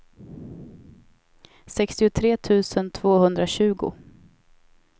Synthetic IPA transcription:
sɛkst̪ɪʊt̪ʰɾeːt̪ʰʉ̟ːsənt̪ʰv̥oːhɵnd̪ɾaɕʉ̟ːɡʊ̰

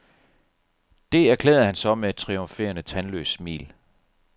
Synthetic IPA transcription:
d̥e̝æɐkʰlḛːð̩ˠhænsɒ̽mee̥t͡sʰʁioɱfe̝̰ːɐnət͡sʰænlø̰ːsmḭːl

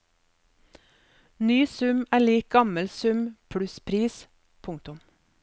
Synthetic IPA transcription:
nyːsʉmæːliːk̚ɡɑməlsʉmpʰɽʉspʰɾiːs | pʰʊŋk̚t̪ʊm

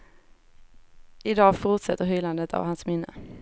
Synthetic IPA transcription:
ɪd̪ɑːɡfʊɾt̪sɛt̪ːəɾɦʏland̪ət̪ʰa̰vhansmɪnːə

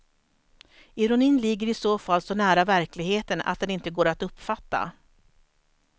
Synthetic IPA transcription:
ɪɾʊniːnlɪɡːəɾɪsoːfalːsɔnæːɾavæɾklɪɡheːt̪əna̰t̪̚d̪ɛnɪnt̪əɡoːɾat̪ɵpːfat̪ːa̰

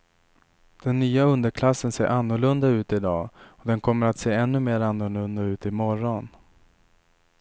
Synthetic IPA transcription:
d̪̥ɛnːyːaɵnd̪əɾkʰlasːənseːʔanːʊɭɵnd̪aʉ̟ːt̪ɪd̪ɑːɔd̪ɛnkʰɔmːəɾat̪seːɛnːɵmeːɾanːʊɭɵnd̪aʉ̟ːt̪ɪmɔɾɔn

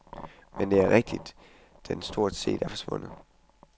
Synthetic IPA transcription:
mend̥e̝æɐʁɛɡ̥̚d̥id̥ː | ensd̥o̝ɐ̰d̥se̝̰ːd̥æɐfɒ̽sʋɔ̽n̰ð̩ˠ

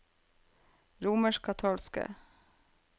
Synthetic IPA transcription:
ɾuːməʃkʰɑt̪ʰɑːlskə̰

